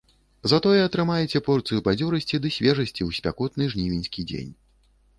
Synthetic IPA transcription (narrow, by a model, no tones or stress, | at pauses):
zat̪ɔjɛɐt̪ɾɨmajɛt͡sʲɛpɔrt̪sɨjupad͡zʲɔɾɐsʲt͡sʲid̪ɨsʲvʲɛʐɐsʲt͡sʲiuwsʲpʲa̰kɔt̪nɨʐnʲivʲinʲsʲkʲid͡zʲḛnʲ